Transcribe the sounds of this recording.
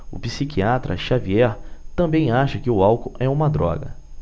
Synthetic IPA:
ʊ̰pisikiat̪ɾɐ̰ʃaviɛɾt̪ɐ̃mbẽj̃aʃɐkɪʊawkʊɛũmɐd̪ɾɔ̰ɡɐ̰

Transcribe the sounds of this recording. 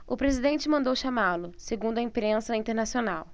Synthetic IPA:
ʊpɾezid̪ẽnt͡ʃɪmɐ̃nd̪owʃamalʊseɡũnd̪ʊɐĩpɾẽsɐĩt̪eɾnasionaw

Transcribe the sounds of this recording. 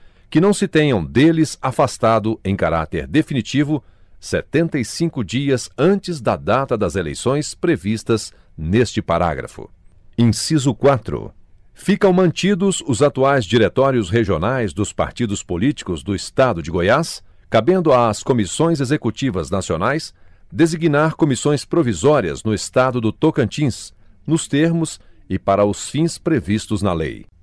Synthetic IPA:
kɪnɐ̃w̃sɪt̪ẽɲɐ̃w̃d̪elɪzafast̪ad̪ʊẽj̃kaɾa̰t̪ḛɾd̪efinit͡ʃivʊ | set̪ẽnt̪ɐjsĩkʊd͡ʒiɐzɐ̃t͡ʃɪzd̪ɐd̪at̪ɐd̪ɐzelḛjsõj̃spɾevist̪ɐz | nest͡ʃɪpaɾa̰ɡɾɐ̰fʊ̰ | ẽj̃sizʊkwat̪ɾʊ̰ | fikɐ̃w̃mɐ̃nt͡ʃid̪ʊzʊzat̪uajzd͡ʒiɾet̪ɔɾjʊsɦeʒionajzd̪ʊspa̰ɾt͡ʃid̪ʊspolit͡ʃi̥kʊzd̪ʊɪst̪ad̪ʊd͡ʒɪɡojas | kabẽnd̪ʊaːskomisõj̃zezekut͡ʃivɐznasionajs | d̪eziɡinaɾkõmisõj̃spɾovizɔɾiɐ̰znʊest̪ad̪ʊd̪ʊt̪okɐ̃nt͡ʃĩs | nʊst̪eɾmʊsɪpaɾɐʊsfĩspɾevist̪ʊznɐlḛj

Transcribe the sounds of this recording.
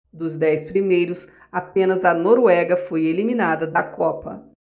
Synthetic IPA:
d̪ʊzd̪ɛjspɾimejɾʊs | apẽnɐzɐnoɾwɛɡɐfojeliminad̪ɐd̪ɐkɔpɐ̰

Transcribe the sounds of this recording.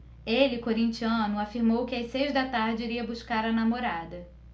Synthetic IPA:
elɪkoɾĩnt͡ʃiɐ̃nʊafiɾmowkɪasejzd̪ɐt̪aɾd͡ʒɪiɾiɐbuʃkaɾɐnamoɾad̪ɐ

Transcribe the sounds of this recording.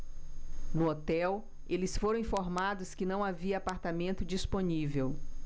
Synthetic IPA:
nʊot̪ɛw | elɪsfoɾɐ̃ĩfoɾmad̪ʊskɪnɐ̃w̃aviɐapaɾt̪amẽnt̪ʊd͡ʒisponivew

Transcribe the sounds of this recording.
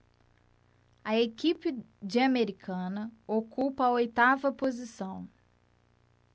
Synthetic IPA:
ɐekipɪ | d͡ʒiɐmeɾikʰɐ̃nɐokupɐɐojt̪avɐpozisɐ̃w̃

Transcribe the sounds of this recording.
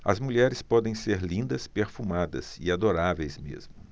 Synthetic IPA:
ɐzmuʎɛɾɪspɔd̪ẽj̃seɾlĩnd̪ɐspeɾfumad̪ɐ̰ziad̪oɾavejzmḛzmmʊ

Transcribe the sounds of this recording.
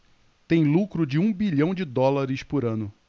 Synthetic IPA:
t̪ẽj̃lukɾʊd͡ʒɪũbiʎɐ̃w̃d͡ʒɪd̪ɔlaɾɪspʊɾɐ̃nʊ

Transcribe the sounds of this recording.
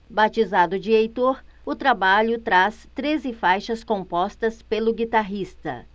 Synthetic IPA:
bat͡ʃizad̪ʊd͡ʒɪejt̪oɾʊt̪ɾabaʎʊt̪ɾast̪ɾezɪfajʃɐskõmpɔst̪ɐspelʊɡit̪aɦist̪ɐ̰

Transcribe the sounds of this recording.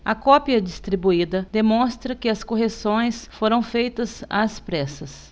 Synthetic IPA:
ɐkɔpiɐd͡ʒist̪ɾibuid̪ɐd̪emõst̪ɾɐkɪɐskoɦesõj̃sfoɾɐ̃w̃fejt̪ɐza̰ɐspɾɛsɐs

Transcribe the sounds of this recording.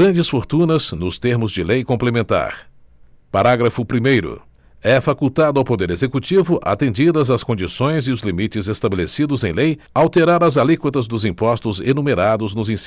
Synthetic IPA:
ɾɐ̃nd͡ʒɪsfoɾt̪ũnɐznʊst̪eɾmʊzd͡ʒɪlejkõplemẽnt̪a̰ɾ | paɾaɡɾɐfʊpɾimejɾʊ̰ | ɛfakuwt̪ad̪ʊawpod̪eɾezekut͡ʃivʊʔa̰t̪ẽnd͡ʒid̪ɐzɐskõnd͡ʒisõj̃zɪʊzlimit͡ʃɪzest̪abelesid̪ʊzẽj̃lej | awt̪eɾaɾɐzalikwɐt̪ɐzd̪ʊzĩpɔst̪ʊzenumeɾad̪ʊznʊzĩs

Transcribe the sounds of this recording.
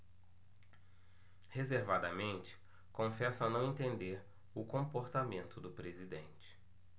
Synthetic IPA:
hezeɾvad̪ɐmẽnt͡ʃɪ̥ | kõfɛsɐnɐ̃w̃ẽt̪ẽnd̪eɾ | ʊkõpoɾt̪amẽnt̪ʊd̪ʊpɾezid̪ẽnt͡ʃɪ̥

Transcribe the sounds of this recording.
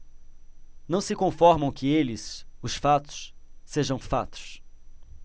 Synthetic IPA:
nɐ̃w̃sɪkõfɔɾmɐ̃w̃kɪelɪsʊsfat̪ʊ̥sːeʒɐ̃w̃fa̰t̪ʊ̥s

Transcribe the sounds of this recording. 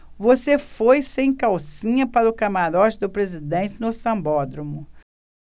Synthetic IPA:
vosefojsẽj̃kawsĩɲɐpaɾʊkamaɾɔt͡ʃɪd̪ʊpɾezid̪ẽnt͡ʃɪnʊsɐ̃mbɔd̪ɾomʊ

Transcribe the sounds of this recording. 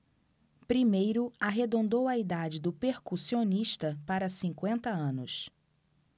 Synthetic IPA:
pɾimejɾʊaɦed̪õnd̪owɐid̪ad͡ʒɪd̪ʊpeɾkusioniʃt̪ɐpaɾɐsĩŋkwẽnt̪ɐɐ̃nʊ̰s

